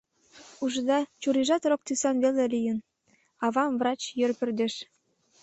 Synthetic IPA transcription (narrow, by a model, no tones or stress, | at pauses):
uʒɤ̆d̪ɑt͡ɕuɾiʒɑt̪rok̚t̪ysɑnvelelʲijə̆n | ɑβɑmvrɑt͡ɕjørpʲy̆rd̪ĕʃ